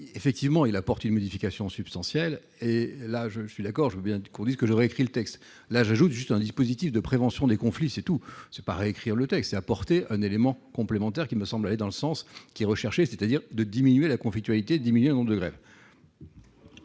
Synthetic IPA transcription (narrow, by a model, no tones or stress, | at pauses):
efɛk̚t̪ivmɑ̃ilapɔʁt̪ynmɔd̪ifikasjɔ̃sybpst̪ɑ̃sjɛl | elaʒəəsɥid̪akɔʁʒəvøbjɛ̃kɔ̃d̪izkəʒəʁeːkχilət̪ɛkst̪ | laʒaʒut̪ʒyst̪ɛ̃d̪ispozit̪ifd̪əpχevɑ̃sjɔ̃d̪ekɔ̃fliset̪usɛ̥pa̰ʁeekχiʁlət̪ɛkst̪sɛapɔʁt̪eʔɛ̃nelemɑ̃kɔ̃plemɑ̃t̪ɛʁkʲiməsɑ̃blaled̪ɑ̃ləsɑ̃skʲiɛʁəʃɛʁʃesɛt̪ad̪iʁd̪əd̪iminɥelakɔ̃flik̚t̪ɥalit̪ed̪əd̪iminyeɛ̃nɔ̃mbʁd̪əɡʁɛ̰v